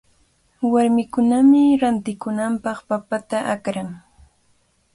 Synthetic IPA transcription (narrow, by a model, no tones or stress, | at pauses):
waɾmɪkʊnamɪɾant̪ɪkʊnampɑχpapat̪aʔakɾaŋ